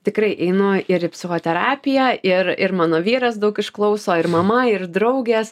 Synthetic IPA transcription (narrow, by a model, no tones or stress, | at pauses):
t̪ʲɪkɾɐɪʔɛɪnʊɪɾɪpʲsʲɪxoːt̪ʲɛɾɑːpʲɪjæɪrɪɾmɑːnoːʋʲiːɾɐsd̪ɐʊkɪʃklˠɐʊsoːɪɾmɐmɐɪrd̪ɾɐʊɡʲeːs